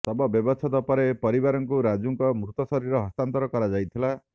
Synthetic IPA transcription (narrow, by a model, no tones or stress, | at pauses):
st̪ɔbɔbjɔbɔsʰɔt̪ɔpɔɾepɔɾibaɾɔŋkuɾad͡ʒuŋkɔmɾut̪ɔsɔɾiɾɔɦɔst̪ant̪ɔɾɔkɔɾad͡ʒajt̪ʰila